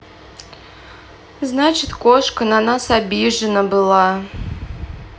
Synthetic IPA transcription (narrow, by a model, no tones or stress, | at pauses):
znat͡ɕɪt̪koʂkənanasabʲiʐɨnəbɨlˠɑ